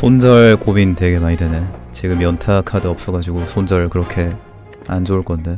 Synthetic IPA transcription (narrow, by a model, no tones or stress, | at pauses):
sʰond͡ʑʌɭkomintwe̞ɡe̞maɲidenet͡ɕiɡɯmːjʌntʰakʰadɯʌp̚s͈ʌɡad͡ʑuɡosʰond͡ʑʌɾɯɭkɯɾʌkʰe̞ | and͡ʑouɭk͈ʌnde̞